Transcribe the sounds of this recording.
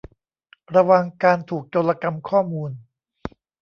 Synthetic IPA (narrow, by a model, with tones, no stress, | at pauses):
ɾa˧wa˧ŋkaː˧nt̪ʰuː˨˩k̚t͡ɕoː˧la˧ka˧mkʰɔː˥˩muː˧n